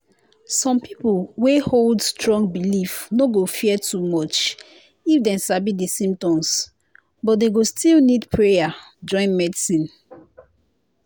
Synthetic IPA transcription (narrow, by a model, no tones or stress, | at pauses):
sɔ̃mpipolweholdstɹɔ̃ŋɡbilifnoɡofiɛtumɔt͡ʃ | ifdɛ̃nsabidisĩmtɔ̃ms | bɔt̚deɡostilnidpʰɹeja | d͡ʒɔ̃ɪ̃nmɛdisĩn